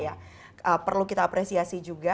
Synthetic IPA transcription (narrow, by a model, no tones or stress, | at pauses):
ja | ʔəpərlukit̪aːpɾesiasid͡ʒuɡa